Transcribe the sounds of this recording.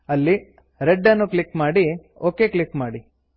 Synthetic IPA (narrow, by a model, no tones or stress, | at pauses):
ɐlːi | ɾeɖːɐnːuklikmaːɽi | oːkeːkɭikmaːɽi